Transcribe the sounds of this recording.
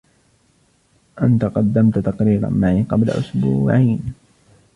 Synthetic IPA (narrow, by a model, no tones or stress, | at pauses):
ʔant̪aqɑd̪ːamt̪t̪ɑqɾiːɾa̰nmaʕiqɑbla̰ʔʊsbuːʕiːn